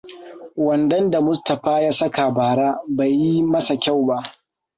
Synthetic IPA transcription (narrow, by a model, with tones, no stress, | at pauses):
wɐ˨ndɐ˦nda˨mʊ˦stɐ˨ɸaː˦jaː˦sɐ˦ka˨baː˨ɽaː˦ba˨jːi˦mɐ˦sa˨kʲa˦˨wba˦ʔ